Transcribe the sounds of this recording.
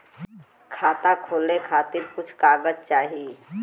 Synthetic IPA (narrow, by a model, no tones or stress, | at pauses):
kʰaːt̪akʰoːlekʰaːt̪ɪɾkʊt͡ʃʰkaːɡəzt͡ʃaːɦi